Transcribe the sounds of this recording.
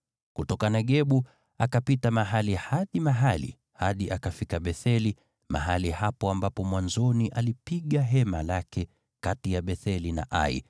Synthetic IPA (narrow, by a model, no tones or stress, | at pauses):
kutɔkanaɠɛɓu | akapitamaɦalihaɗimaɦalḭ | haɗiʔakafikaɓɛθɛli | ma̰ɦalihapɔambapɔmwanzɔniʔalipiɠaɦɛmalakɛ | katijaɓɛθɛlina̰ʔa̰ḭ